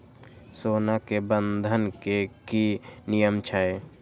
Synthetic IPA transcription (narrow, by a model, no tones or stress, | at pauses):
soːnakebə̃nd̪ʱənkekinijəmt͡ʃʰae